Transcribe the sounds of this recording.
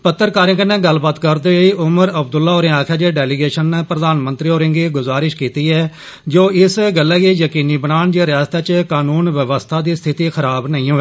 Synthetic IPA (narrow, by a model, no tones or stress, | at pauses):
pət̪ːəɾkaːɾɪ̃ŋkənɛ̃ːɡəlːbaːt̪kəɾd̪eːiːʔʊməɾəbd̪ʊlːaːoːɾẽːaːkʰjaːd͡ʒeːɖɛːlɪɡeːʃənːeːpɾəd̪aːnmə̃nt̪ɾiːoːɾɪ̃ŋɡiːɡʊzaːɾɪʃkiːt̪iːɛː | d͡ʒoːɪsɡəlːɛːɡiːjəkiːniːbənaːɳd͡ʒeːɾɪjaːst̪aːt͡ʃkaːnuːnʋəʋəst̪ʰaːd̪iːst̪ʰɪt̪iːxʰəɾaːbnəĩːɦoːeː